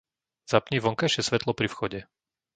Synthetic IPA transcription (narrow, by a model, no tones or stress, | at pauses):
z̥apɲiːʋɔŋkajʃɪɛsʋɛt̪lɔpɾifxɔɟɛ